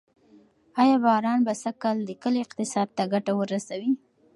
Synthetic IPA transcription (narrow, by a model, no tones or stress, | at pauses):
ɑjɑbɑɾɑnbasakɑld̪əkəleɪqt̪ɪsɑd̪̚t̪aɡaʈawəɾasawi